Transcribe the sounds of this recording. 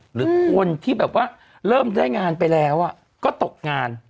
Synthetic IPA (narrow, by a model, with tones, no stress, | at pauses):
ɾɯː˨˦kʰo˧nt̪ʰiː˥˩bɛː˨˩p̚waː˥˩ | ɾɤː˥˩mdaː˥˩jŋaː˧npa˧jlɛː˦˥wʔa˨˩ | kɔː˥˩t̪o˨˩k̚ŋaː˧n